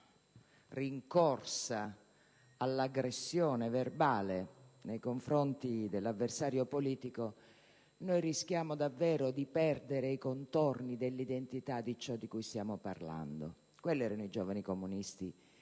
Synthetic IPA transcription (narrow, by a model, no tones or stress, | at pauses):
riŋkorsaː | lːaɡɾesːjɔːneverbaːlenejkoɱfɾont̪id̪elːavːersaːɾjopoliːt̪iko | nojrisk̟jaːmod̪avːɛːɾod̪ipɛrd̪eɾeikont̪ornid̪elːid̪ent̪it̪ad̪it͡ʃɔd̪ːikujst̪jaːmoparla̰nd̪o | kwelːɛːɾanoid͡ʒɔːvanikomunist̪i